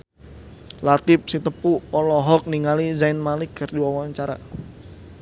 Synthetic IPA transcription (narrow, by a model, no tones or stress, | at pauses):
lat̪ɪp̚sit̪əpuɔlɔɦɔk̚niŋalizaɪnmaliɡərdiwawaɲt͡ʃaɾa̰